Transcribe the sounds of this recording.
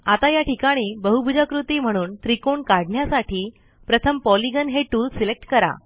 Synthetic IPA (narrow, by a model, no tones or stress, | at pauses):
at̪ajaʈʰikaɽ̃iːbəɦubʱud͡ʑakɾut̪iːm̤əɽ̃uːnt̪ɾikoɳkaɽɳjasaʈʰiː | pɾət̪ʰəmpɔliɡənɦeʈuːlsilek̚ʈkəɾa̰